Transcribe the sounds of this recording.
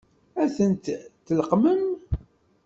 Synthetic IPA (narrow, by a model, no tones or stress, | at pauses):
æθənt̪t̪ːələqməm